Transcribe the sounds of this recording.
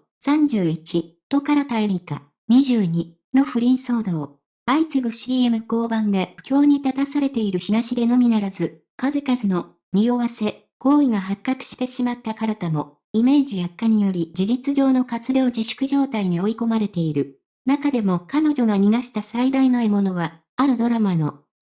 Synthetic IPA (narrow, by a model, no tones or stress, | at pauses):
sãɲ̟d͡ʑɨːit͡ɕit̪o̞kaɾat̪aiɾʲika̰ | ɲ̟iʑɨːɲ̟i | no̞ɸɯ̟ɾʲĩɰ̃so̞ːd̪o̞ː | ait͡sɨɡɯ̟ɕiːe̞mɯ̟ko̞ːbãnd̪ekʲo̞ːɲ̟it̪at̪asaɾe̞t̪e̞iɾɯ̟çiɡaɕid̪e̞no̞mʲinaɾazɨ | kazɨkazɨno̞ | ɲ̟ioβase̞ | ko̞ːiɡaɦakːakɯ̟̥ɕi̥t̪e̞ɕimat̪ːakaɾat̪amo̞ | ime̞ːd͡ʑijakːaɲ̟ijo̞ɾʲid͡ʑiʑit͡sɨʑo̞ːno̞kat͡sɨɾʲo̞ːd͡ʑiɕɨ̥kɯ̟ʑo̞ːt̪aiɲ̟io̞iko̞maɾe̞t̪e̞iɾɯ̟ | nakad̪e̞mo̞kano̞ʑo̞ɡaɲ̟iɡ̪aɕi̥t̪asaid̪ainoemo̞no̞βa | aɾɯ̟d̪o̞ɾamano̞